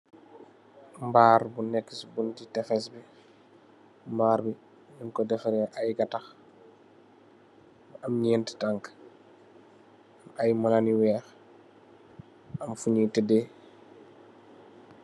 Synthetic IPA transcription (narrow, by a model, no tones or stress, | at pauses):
mbaːɾbunːɛkːisbuntitɛfɛsbi | mbaːɾbi | niŋkɔdɛfaɾɛʔajɡatax | ɐmɲɛntə̥taŋk | ɐmajmɐlaniwɛːx | ɐmfuɲitɛdɛ